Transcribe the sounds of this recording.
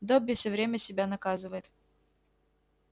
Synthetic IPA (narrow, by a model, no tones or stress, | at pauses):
d̪obʲːɪfsʲɵvɾʲemʲəsʲɪbʲanɐkazɨvəjɪt̪